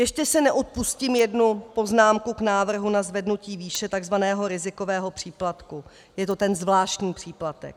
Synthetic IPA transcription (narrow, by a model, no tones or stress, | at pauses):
jɛʃcɛsɪnɛʔot̪̚puscimjɛdnupo̞znaːmkuknaːvr̩ɦunazvɛdnuciːviːʃɛt̪aɡzvanɛːɦo̞ɾɪzɪko̞vɛːɦo̞pr̥iːplat̪ku | jɛt̪ot̪ɛnzvlaːʃt̪ɲiːpr̝̥iːplat̪ɛ̰k̚